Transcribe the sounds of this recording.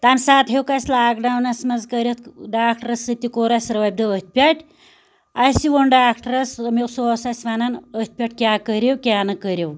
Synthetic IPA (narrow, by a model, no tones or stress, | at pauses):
t̪ɐnsaːt̪ɦewkɐsʲlaːɡɖɐwnɐsmɐnzkəɾʲet̪ɖaːk̚ʈɐɾɐsːɨt̪ikoːɾɐsʲɾɐʋɐb̚d̪ɐət̪̚ʲʰpʲɐʈʰʲ | ɐsiʋonɖaːkʈɐɾɐsmilsoːsɐsʲʋaːnɐnət̪̚ʰʲpʲɐʈ̚ʰʲkʲaːkəɾʲewkʲaːnɐkəɾʲew